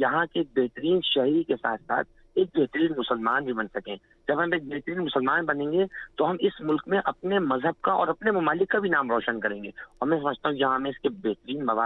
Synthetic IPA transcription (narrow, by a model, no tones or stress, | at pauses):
jɐɦãkeːk̚beːɦt̪əɾiːnʃɐɦɾikesa̰ːt̪ʰsa̰ːt̪̚ʰ | eːk̚beɦt̪əɾiːnmʊsəlmaːnbʱibɐnsɐkẽ | d͡ʒɐbʱɦɐmeːk̚beːɦt̪əɾiːnmʊsəlmaːnbɐnẽːŋɡet̪oɦɐmɪsmʊlkmẽʔɐpnemɐzɦəb̚kaɔ̰ːɾɐpnemʊmaːlɪkːabʱinaːmɾɔːʃənkɐɾẽːŋɡeːɔːɾmɛ̃s̬ɐməd͡ʒʱt̪aɦũkijɐɦãmẽɪskebeɦt̪əɾiːnmɐʋaː